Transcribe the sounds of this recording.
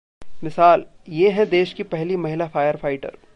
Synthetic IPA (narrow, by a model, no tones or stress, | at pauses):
mɪsaːljeɦɛ̃d̪eːʃkipɛɦlimɐɦɪlafaːjəɾfaːɪʈə̰ɾ